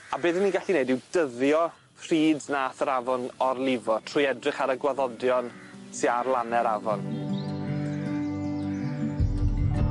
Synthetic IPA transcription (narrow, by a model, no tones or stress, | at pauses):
abeːðənːiːɡaɬinejdɪwdəðjɔ | fr̥iːdnaːθəɾavɔnɔrlˠɪvɔtʰr̥ʊjɛdrɪχaɾəɡwaðɔdjɔnsɪarlˠanɛɾavɔn